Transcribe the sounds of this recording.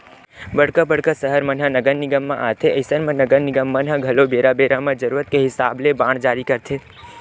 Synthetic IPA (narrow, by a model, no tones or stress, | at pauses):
bəɽkəbəɽ̤kəsəɦəɾmənɦənəɡəɾnɪɡəmːã̰ʔaːt̪ʰeəɪsəɾmẽnəɡəɾnɪɡəmːənɦəɡʱɐlobeːɾabeːɾamẽd͡ʒəɾuːɾət̪̚keɦɪsaːblebãːɽd͡ʒaːɾikəɾt̪ʰe